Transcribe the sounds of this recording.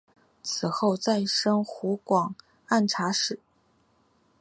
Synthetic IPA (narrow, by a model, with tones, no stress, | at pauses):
t͡sʰɹ̩˨˩xo˥˧ʊt͡sa˥˩ɪʂɤ˥ŋxu˧˥kwɑ˨˩ŋ | a˥˩nʈ͡ʂʰa˧˥ʂɻ̩˨˩˦